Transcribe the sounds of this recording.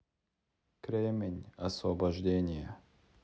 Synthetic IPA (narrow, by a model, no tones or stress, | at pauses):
kɾʲemʲɪnʲɐsvɐbɐʐdʲenʲɪjə